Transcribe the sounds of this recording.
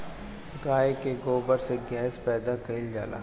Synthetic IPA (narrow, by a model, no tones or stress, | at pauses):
ɡaːekeɡoːbəɾseɡɛːspɛːd̪akɐɪld͡ʒa̰ːla̰ː